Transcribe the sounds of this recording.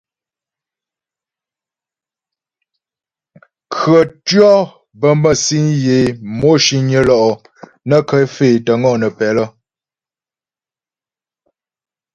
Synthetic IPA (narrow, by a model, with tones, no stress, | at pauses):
kʰɰə˨tɥɔ˦ | bə˦mbə˦si˦nje˨mo˦ʃi˦ɲə˦lɔ˦ʔɔ˨ | nə˦kə˦feː˨tə˨ŋɔ˦˨nə˨pɛ˨lə˦